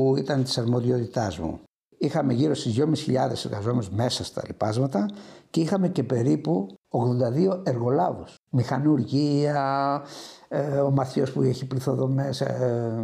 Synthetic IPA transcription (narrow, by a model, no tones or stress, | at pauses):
it̪ɐnt̪i̥sɐɾmo̞ðiot̪it̪ɐzmṵ | ixɐme̞ʝiɾo̞st̪izjo̞misçḭʎɐðe̞seɾɣɐzomenozme̞sɐst̪ɐ̰lipɐzmɐt̪ɐce̞ixɐme̞ce̞pe̞ɾipuoɣðo̞nd̪ɐðio̞e̞ɾɣo̞lɐvos | mixɐnuɾʝiɐ | omɐθço̞spueçipliθo̞ðo̞mes